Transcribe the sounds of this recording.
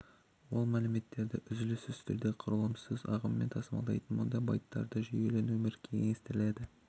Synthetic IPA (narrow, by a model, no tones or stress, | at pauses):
wo̞lˠmælɪme̞t̪ːe̞ɾd̪ɪʔʏzɪlɪsʏzt̪ɪɾd̪e̞qʰʊɾəlˠəmsɪzɑ̰ʁəmːe̞nt̪ʰɑsəmɑ̰lˠɑ̰jt̪ənmond̪ɑbɑjt̪ːɑ̰ɾd̪əʒʏje̞le̞numɪɾkʲʰe̞ŋŋest̪ɪɾɪle̞d̪ɪ